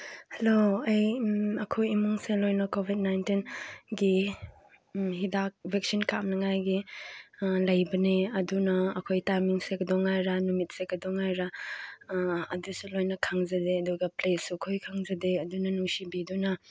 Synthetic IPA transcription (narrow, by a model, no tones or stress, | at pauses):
heloɐjɐkʰojimuŋselojnɐkobʱit̚najntinɡi | ɦidak̚bʱeksinkamnɐŋajɡi | lɐjbɐneɐdunɐːkʰojtajmiŋsekdɔŋajɾanumit̚sekɐdɔŋːajɾa | dusulojnɐkʰaŋzɐdeɐduɡɐplesukʰojkʰaŋzɐdeɐdunɐnusibidunɐ